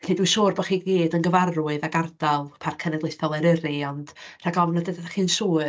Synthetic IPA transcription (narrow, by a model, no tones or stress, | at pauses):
ɬiːdwɨʃuːrbɔχiːɡiːdənɡəvaruɨðaɡardalˠpʰarkʰənɛɡlˠejθɔlˠəɾɛriɔnd̥r̥aɡɔvnɔdədaχiːnsuːɨ